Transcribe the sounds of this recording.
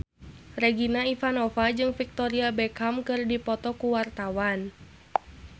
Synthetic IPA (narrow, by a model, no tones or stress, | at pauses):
rɛɡinaifanɔfad͡ʒɨŋfik̚t̪ɔɾiabɛkamkɨrdipɔt̪ɔkuwart̪awan